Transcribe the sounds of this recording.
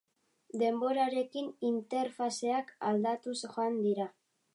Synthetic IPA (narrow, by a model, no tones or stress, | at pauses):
d̪e̞mbo̞ɾaɾe̞kinint̪e̞ɾfase̞akald̪at̪usʝoand̪iɾa